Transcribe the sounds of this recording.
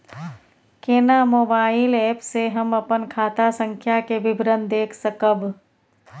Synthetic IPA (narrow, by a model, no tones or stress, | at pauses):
keːnamoːbaːɪleːpseɦəməpənkʰaːt̪asə̃ŋkʰjakeʋɪbʱɾənd̪eːkʰsəkəb